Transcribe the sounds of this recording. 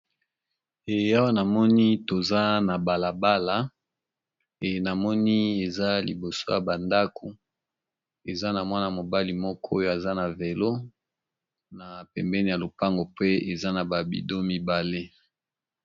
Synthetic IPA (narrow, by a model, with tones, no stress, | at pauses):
e˨ja˦wa˦na˨mɔ˦ni˦to˨za˦na˨ba˨la˨ba˦la˨ | e˨na˨mɔ˦ni˦e˨za˦lḭ˨bo˨so̰˦ja˨ba˨nda˦ko˨ | e˨za˦na˨mwa˦na˨mo˨ba˦li˨mɔ˦kʰɔ˦jo˦a˨za˦na˨ve˨lo˦ | na˨pɛ˨mbɛ˦ni˨ja˨lo˨pa˦ŋɡo˨pe˦e˨za˦na˨ba˨bḭ˦do˦mi˦ba˨le˦